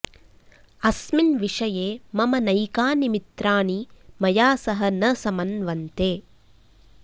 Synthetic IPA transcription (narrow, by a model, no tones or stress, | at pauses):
ɐsminʋiʂɐjeːmɐmɐnɐjkaːnimit̪ɾaːnimɐjaːsɐɦɐ̆nɐsɐmɐnʋɐnt̪eː